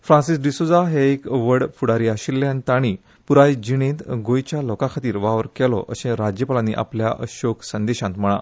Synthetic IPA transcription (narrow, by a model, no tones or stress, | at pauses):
fɾãnsisɖisod͡zaɦeekʋəɽfuɽaɾiaɕilːjãnt̪aɽ̃iː | puɾajd͡ʑiɽ̃ẽt̪ɡojt͡ɕjalɔkãkʰat̪iːɾʋaʋəɾkɛlɔ̰ʔə̰ɕẽɾad͡ʑjəpəlãnḭʔa̰plja̰ʔə̰ɕoksənd̪eɕãnt̪m̤əɽ̃a̰